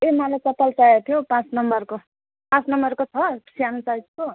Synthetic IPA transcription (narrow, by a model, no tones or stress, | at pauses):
emalajt͡sʌp̪alt͡sajet̪ʰijopãt͡snʌmbʌrko | pãt͡snʌmbʌrkot͡sʰʌsjanit͡sajt͡st͡so